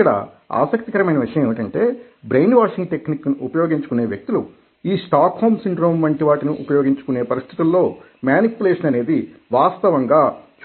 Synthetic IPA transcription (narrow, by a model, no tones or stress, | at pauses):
ɐɽɐ̰ | a̰ːsɐk̚t̪ikɐɾɐmɐjnɐʋiʂɐjɐmeʋɐʈɐɳʈe̞ː | bɾejnʋaːʂiŋɡʈe̞kniknuupɐjo̞ːɡiɲt͡ʃukune̞ːʋjek̚t̪ulu | iːsʈaːkhoːmsiɳɖɾo̞ːmʋɐɳʈiʋaːʈiniʔṵpɐjo̞ːɡiɲt͡ʃukune̞ːpɐɾist̪ʰit̪ulːo̞ː | mjaːnipjuleːʂɐnɐne̞ːd̪iʋaːst̪ɐʋɐŋɡaːt͡ʃ